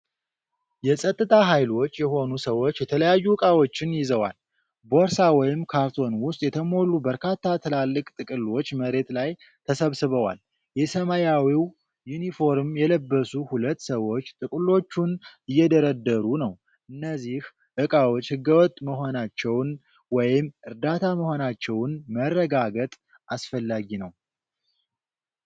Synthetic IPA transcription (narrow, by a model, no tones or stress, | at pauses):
jɛsʼət̪ʼːɨt̪ʼʰaɦajlo̞t͡ʃːjɛɦo̞nusəwo̞t͡ʃːjɛt̪ʰələjajːuɨkʼawo̞t͡ʃːɪnjɪzəwa̰l | bo̞ɾsawɔjɪmkʰaɾt̪ʰo̞nwʊst̪ʼjɛt̪ʰəmo̞lubəɾkʰat̪ʰːat̪ʰɨlalːɨkʼt̪ʼɨkʼɨlo̞t͡ʃːməɾe̞t̪laj | t̪ʰəsəβsɨβəwa̰l | jɛsəmajawiw | junifo̞ɾmjɛləbːəsuhulət̪ːsəwo̞t͡ʃːt̪ʼɨkʼlo̞t͡ʃːunɨjːɛd̪əɾəd̪ːəɾunəw | ʔɨnːəzːih | ʔɨkʼawot͡ʃːhɨɡːəwɔt̪ʼməɦo̞nat͡ʃːɛwn | wɔjɪmːʔɨɾd̪at̪ʰaməho̞nat͡ʃːɛwnmərːəɡaɡət̪ʼ | ʔasfəlːaɡinəw